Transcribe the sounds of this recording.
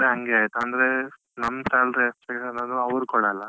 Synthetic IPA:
ɾeɦɐŋɡeaːjt̪uɐnd̪ɐɾe | nɐmːsaːlɾespekʂɐnɐd̪uɐʋɐɾkɔɽɐlːɐ

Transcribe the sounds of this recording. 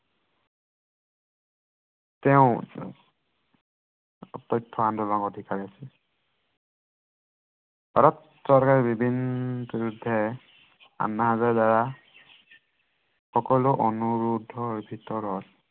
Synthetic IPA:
tɛʊ̃ | ɔtɔjtʰːɔandɔlakɔdʱikaɹiasi | bʱaɹɔt | sɔɹkaɹibibʱinbiɹudʱːɛ | a̰nːaɦazaɹdaɹa | xɔkɔlʊʔɔnuɹudʱɔbʱitɔɹɔt

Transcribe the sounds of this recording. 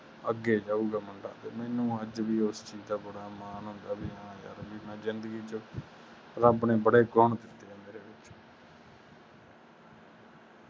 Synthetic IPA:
əɡeːd͡ʒaːuːɡaːməɳɖa̰ːt̪eːmɛːnũːəd͡ʒʋiːost͡ʃiːd͡ʒd̪aːbəɽaːmaːnɦʊnd̪aːbiːãːja̰ːɾbiːnãːzɪnd̪əɡiːt͡ʃə | ɾəbnẽːbəɽeːɡɔːɳd̪ɪt̪ːeːɛːmeːɾeːʋɪt͡ʃ

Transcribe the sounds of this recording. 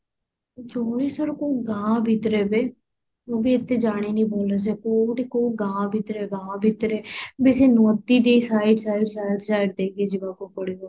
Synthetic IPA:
d͡ʒoːɽiːsəɾkoːɡãːbʱɪt̪ɾeːbeː | oːbiːɪt̪ːeːd͡ʒaːɽ̃eːnĩːboːlaːs̬eːkoːʈikoːɡãːbɪt̪ɾeːɡãːbɪt̪ɾeːbeseːnɔːt̪iːd̪eːsaːɪɖsaːɪɖsaːɪɖsaːɪɖ̚d̪eːkeːd͡ʒɪbaːkoːpəɽiːoː

